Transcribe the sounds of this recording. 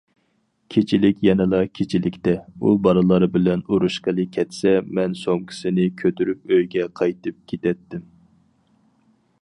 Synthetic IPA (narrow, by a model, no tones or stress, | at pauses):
kʲʰet͡ʃʰilɪkʲjɛnɪlˠɑkʲʰet͡ʃʰilɪkʲt̪ɛubɑɾɨlˠɑɾɨbɪlɛnuɾuʃqəlˠɨkʲʰːɛt̪sɛmɛnsoŋkʲʰɪ̥sɪnɪkʲʰøt̪ʰyɾyp̚øjɡʲɛqʰɑjt̪ɨp̚kʲʰet̪ɛt̪ːɪm